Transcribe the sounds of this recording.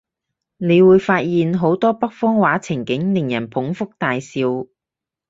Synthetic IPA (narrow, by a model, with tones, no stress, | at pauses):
ne˨˧jwuː˨˧jfaː˧t̚jiː˨nɦo˨˥wt̪ɔː˥pɐ˥k̚fɔː˥ŋwaː˨˥t͡sʰɪ˨˩ŋkɪ˨˥ŋnlɪ˨˩ŋjɐ˨˩npʰʊ˨˥ŋfʊ˥k̚t̪aː˨jsiː˧w